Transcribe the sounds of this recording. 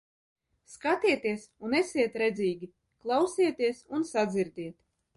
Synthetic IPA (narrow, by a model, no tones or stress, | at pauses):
skat̪iɛt̪iɛsunɛsiɛt̪ɾɛd̪ziːɡʲi | klˠawsiɛt̪iɛsunsad̪ziɾd̪iɛt̪